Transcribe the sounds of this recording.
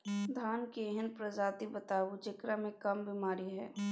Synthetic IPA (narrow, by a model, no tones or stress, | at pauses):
d̪ʱaːnkiːɦɪnpɾɐd͡ʒaːt̪ibət̪aːʋut͡ʃɪkɾamẽkɐmbimaːɾiɦɛː